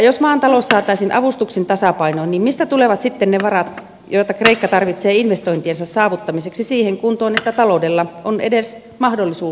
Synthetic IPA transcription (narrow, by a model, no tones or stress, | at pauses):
josmɑːnt̪ɑlossɑːt̪ɑisinʔɑ̰ʋust̪uksint̪ɑsɑpɑinoiniːmmist̪æt̪uleʋɑt̪sit̪ːenneʋɑrɑt̪ | joit̪ɑkreikːɑt̪ɑrʋit̪seːinʋest̪oint̪iensɑssɑːʋut̪ːɑmiseksisiːheŋkunt̪oːnet̪ːæt̪ɑloudelːɑonḛdes | mɑhdolːisuː